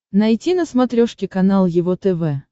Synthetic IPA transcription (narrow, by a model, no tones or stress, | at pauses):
nɐjtʲinəsmɐt̪ɾʲoʂkʲɪkɐnalˠjɪvot̪ɛvɛ